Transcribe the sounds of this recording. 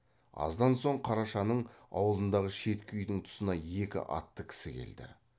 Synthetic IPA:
ɑ̰zd̪ɑnso̞ɴqʰɑɾɑʃɑnəɴɑ̰wəlˠənd̪ɑʁəʃe̞t̪kʲʰʏjd̪ɪŋt̪ʰʊ̥sənɑje̞kʲɪ̰ʔɑ̰t̪ːəkʲʰɪ̥sɪkʲʰe̞̰ld̪ɪ̰

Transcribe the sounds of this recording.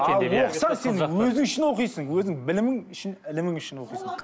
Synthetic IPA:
ɑlwo̞qəsɑɴse̞nwɵzɪŋɪʃɪnwo̞qijsəŋwɵzɪŋbɪlɪmɪŋɪʃɪnɪlɪmɪŋɪʃɪnwo̞qijsəɴ

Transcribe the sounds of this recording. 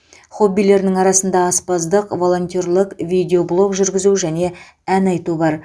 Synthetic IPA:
χo̞bːijle̞ɾnɪŋɑɾɑsənd̪ɑːspɑzd̪əqvo̞lˠo̞nʲt̪ʲorlˠəqvʲid̪ʲeo̞blˠo̞kʒʏɾɡʲɪzuʒæne̞ | ænɑjt̪ubɑɾ

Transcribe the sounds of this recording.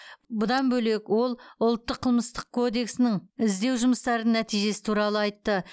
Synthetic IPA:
bʊd̪ɑnbɵle̞kwo̞lˠʊlˠt̪ːəqʰːəlˠməst̪əq̚kʰo̞d̪e̞ksɪnɪŋɪzd̪e̞wʒʊməst̪ɑɾənæt̪ijʒe̞sɪ̥t̪ʰuɾɑlˠəɑjt̪ːə

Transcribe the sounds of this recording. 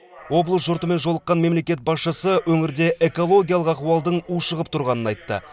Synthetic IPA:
wo̞blˠəsʒʊɾt̪əme̞nʒolˠəqːɑnme̞mle̞kʲe̞t̪̚bɑsʃəsəwɵŋɪɾd̪e̞ʔeko̞lˠo̞ɡʲijalˠəqɑquwɑlˠd̪əɴuʃəʁəpt̪ʰʊɾʁɑnənɑjt̪ːə̰

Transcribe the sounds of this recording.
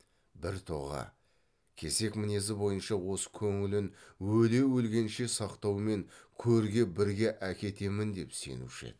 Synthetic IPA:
bɪɾt̪ʰo̞̰ʁɑ̰ | kʲʰeze̞kmɪne̞zɪbo̞jənʃɑwo̞sə̥kʲʰɵŋɪlɪnwɵle̞wɵlɡʲe̞nʃe̞sɑqt̪ɑwme̞ŋkʲʰɵɾɡʲe̞bɪɾɡʲe̞ʔækʲe̞t̪e̞mɪnd̪e̞pse̞̰nṵʃɪ̰

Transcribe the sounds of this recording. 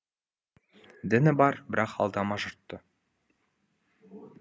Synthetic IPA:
d̪ɪnɪbɑɾbɪɾɑqʰɑ̰lˠd̪ɑmɑʒʊɾt̪ːə

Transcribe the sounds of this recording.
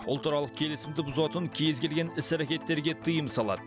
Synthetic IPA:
ʊlˠt̪əɾɑlˠəq̚kʲʰe̞lɪsɪmd̪ɪbʊzɑt̪əŋkʲʰe̞zɡʲe̞lʲɡʲe̞nɪsæɾækʲe̞t̪ːe̞ɾɡʲe̞t̪ʰɨjəmsɑlˠɑ̰d̪ə

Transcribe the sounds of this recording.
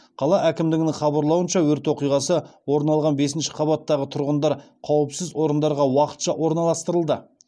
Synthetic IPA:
qʰɑlˠɑʔækʲɪmd̪ɪɡnɪχɑbɑɾlˠɑwənʃɑwɵɾt̪wo̞qijʁɑsəwo̞ɾnɑlˠʁɑnbe̞sɪnʃɪ̥qʰɑβɑt̪ːɑʁət̪ʰʊɾʁənd̪ɑɾ | qʰɑwəpsɪzwo̞ɾənd̪ɑɾʁɑwɑqə̥t̪ʃɑwʔo̞ɾnɑlˠɑst̪əɾəlˠd̪ə

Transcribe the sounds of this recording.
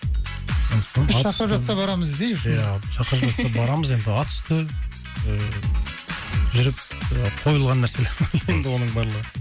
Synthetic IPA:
ʃɑqɾəpʒɑt̪sɑbɑɾɑməzd̪ejjæʃɑqəɾəpʒɑt̪sɑbɑɾɑməze̞nd̪ɪɑt̪ʰʏ̥st̪ə | ʒʏɾɪp̚ | qʰo̞jəlˠʁɑnːæɾse̞leme̞nd̪ɪwo̞nəɴbɑɾlˠəʁə

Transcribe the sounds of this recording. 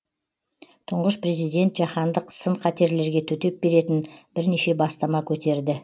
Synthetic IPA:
t̪ʰʊɴʁəspre̞zijd̪e̞nt̪ʒɑχɑnd̪əqʰsəɴqʰɑt̪e̞ɾle̞ɾɡʲe̞t̪ʰɵt̪e̞p̚be̞ɾe̞t̪ɪnb̥ɪɾneʃe̞bɑst̪ɑmɑkʲʰɵt̪e̞ɾd̪ɪ

